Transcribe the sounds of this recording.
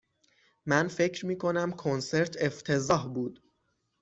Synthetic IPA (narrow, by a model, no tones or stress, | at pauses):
mænfe̞cʰɾmiːkʰo̞næmkʰonse̞ɾt̪ʰe̞ft̪ʰe̞zɒːɦbuːd̪̥